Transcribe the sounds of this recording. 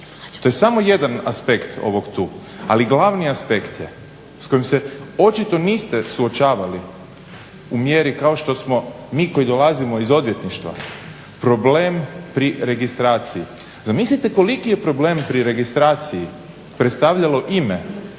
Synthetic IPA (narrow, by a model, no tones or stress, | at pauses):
t̪ojesamo̞je̞d̪anaspe̞kt̪ʰo̞̰ʋo̞ɡt̪uː | a̰liɡlaʋniaspe̞kt̪je | sko̞jmse̞o̞t͡ʃit̪o̞niːst̪e̞suot͡ʃaːʋali | umjeɾikao̞ʃt̪o̞smo̞ | miːko̞jid̪o̞lazimo̞izo̞d̪ʋje̞t̪niʃt̪ʋa̰ | pɾo̞ble̞ːmpɾiɾe̞ɡist̪ɾaːt̪siji | zamislit̪e̞ko̞likijepɾo̞ble̞ːmpɾiɾe̞ɡist̪ɾaːt̪siji | pɾet̪st̪aʋʎalo̞ʔime